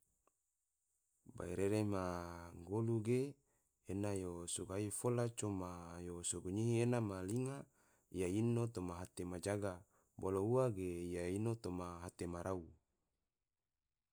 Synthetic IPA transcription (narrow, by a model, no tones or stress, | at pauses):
ba̰iɾeɾemaŋɡoluɡeː | najosoɡaifolat͡ʃomajosoɡuɲiɦienamaliŋa | ijainot̪omaɦat̪emad͡ʒaɡa | bolouaɡeijainot̪omaɦat̪emaɾʔau